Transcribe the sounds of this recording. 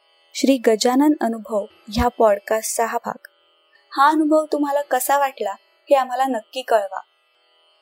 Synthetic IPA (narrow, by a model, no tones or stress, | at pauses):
ɕɾiːɡəd͡ʑanənənubʱəʋ | japɔɽkassəɦabʱa̰k | haənubʱəʋt̪um̤alakəsaʋaʈla | heam̤alanəkːiːkəɭʋa̰